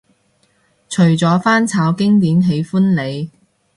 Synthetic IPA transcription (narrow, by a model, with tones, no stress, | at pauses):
t͡ʃʰɵ˨˩ɥt͡sɔː˨˥faː˥nt͡sʰaː˨˧wkɪ˥ŋt̪iː˨˥mɦe˨˥jfu˥nle˨˧j